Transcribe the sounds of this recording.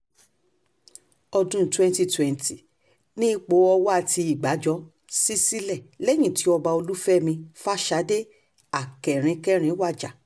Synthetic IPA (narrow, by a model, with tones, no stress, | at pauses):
ɔ˧dũ˦twɛ̃˦n˦ti˧twɛ̃˨nti˨ | nĩ˦k͡po˨˦ɔ˧wɔ˦a˦˨ti˧i˨ɡ͡ba˨˦d͡ʒɔ˦ | si˦si˦lɛ˦˨lɛ˦j̃ĩ˦˨ti˨˦ɔ˧ba˧o˧lu˦fɛ˦˨mĩ˧fa˦˨ʃa˨˦de˦ | a˨kɛ˨ɾ̃ĩ˧kɛ˦˨ɾ̃ĩ˧˦wa˦˨d͡ʒa˨